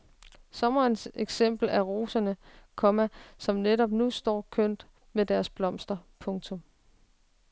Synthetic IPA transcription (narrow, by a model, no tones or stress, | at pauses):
sɒ̽mɐːnseɡ̥sem̰b̥l̩æʁo̝ːsɐnəkʰɒ̽mæsɒ̽mneɾɒ̽b̥nusd̥ɒ̰ːkʰøn̰d̥ | med̥æɐsb̥lɒ̽m̰sd̥ɐpʰɔ̽ŋt͡sʰɔ̽m